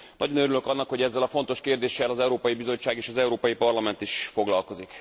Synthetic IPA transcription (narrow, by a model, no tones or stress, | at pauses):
nɒ̰ɟonøɾylø̞kɒnːɒkho̞ɟɛzːɛlɒfo̞nt̪o̞ʃkeːrd̪eːʃɛlɒzɛuɾoːpɒjibizo̞t͡ʃːaːɡeːʃɒzɛuɾoːpɒjipɒrlɒmɛnt̪iʃfo̞ɡlɒlko̞zik